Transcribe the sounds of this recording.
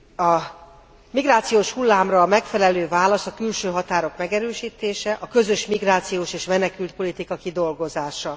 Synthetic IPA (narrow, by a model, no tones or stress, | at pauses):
ɒ | miɡraːt̪sijoːʃhulːaːmrɒmɛkfɛlɛløːvaːlɒsɒkylʃøːɦɒt̪aːɾo̞kmɛɡɛɾøːʃiːt̪eːʃɛʔɒkø̞zø̞ʃmiɡraːt̪sijoːʃeːʃmɛnɛkylt̪̚po̞lit̪ikɒkid̪o̞lɡo̞zaːʃɒ